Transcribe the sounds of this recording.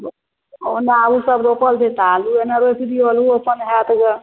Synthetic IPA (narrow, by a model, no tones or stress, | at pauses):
onabusəbɾopəlt͡ʃʰɛt̪aluenaɾop̪ʰid̪ioluəpənɦɛt̪ɡe